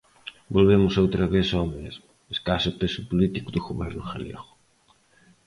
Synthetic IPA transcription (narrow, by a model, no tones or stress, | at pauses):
bolβ̞emʊsowt̪ɾɐβeθomezmʊ | eskasʊpesʊpolit̪ikʊðʊɣoβɛɾnʊxaljḛɣʊ̥